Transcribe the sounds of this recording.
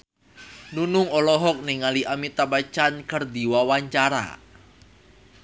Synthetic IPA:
nunʊŋɔlɔɦɔk̚niŋaliʔamit̪abat͡ʃankərd̪i̤wawaɲt͡ʃaɾa̰

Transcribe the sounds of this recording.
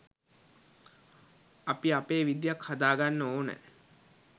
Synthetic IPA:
apiapeːʋid̪jakhad̪aːɡanːəoːnə̰

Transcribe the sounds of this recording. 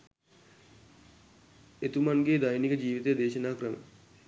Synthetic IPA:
et̪umanɡeːd̪ajnikəd͡ʒiːʋit̪əjəd̪eːʃənaːkrəmə̰

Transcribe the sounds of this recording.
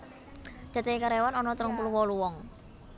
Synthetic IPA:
d͡ʒ̥a̤t͡ʃaikaɾewanɔnɔt̪ɾəŋpuluwɔluwɔŋ

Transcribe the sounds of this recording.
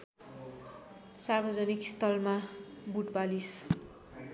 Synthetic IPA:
sarbʌd͡zʌnikst̪ʌlmabuʈbalis

